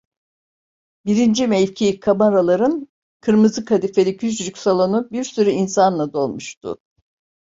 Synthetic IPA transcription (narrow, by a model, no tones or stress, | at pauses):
biɾind͡ʒimɛlʲcʰikʰamaɾalˠaɾɯn | kʰɯɾmɯzɯkʰad̪ifelʲicʰyd͡ʒlycʲsalˠonubiɾsyɾyinsanlˠad̪o̞lˠmuʃt̪ʰʊ̰